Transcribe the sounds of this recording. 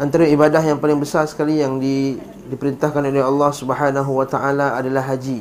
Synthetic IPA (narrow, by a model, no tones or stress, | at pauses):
ʔant̪aɾaibadaɦjaŋpalɪŋbəsarsə̥kalijaŋdi | dipəɾint̪ahkanoleɦɑlːɑhsubəɦanaɦuwat̪aʔalaːdalaɦːad͡ʒi